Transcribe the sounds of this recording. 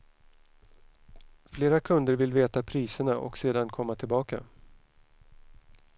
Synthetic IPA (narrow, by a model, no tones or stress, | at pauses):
fleːɾakʰɵnd̪əɾvɪlveːt̪apʰɾiːsəɳaʔɔ̰kseːd̪ankʰɔmːat̪ʰɪlbɑːka̰